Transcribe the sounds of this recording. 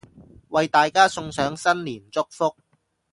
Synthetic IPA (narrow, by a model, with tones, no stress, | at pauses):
wɐ˨jt̪aː˨jkaː˥sʊ˧ŋsœː˨˥ŋsɐ˥nliː˨˩nt͡sʊ˥k̚fʊ˥k̚